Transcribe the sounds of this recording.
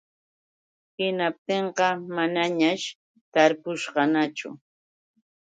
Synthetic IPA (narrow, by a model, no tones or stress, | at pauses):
hɪnap̚t̪eɴqɑmanaɲaʃ | t̪aɾpʊʃɢɑnat͡ʃʊ̰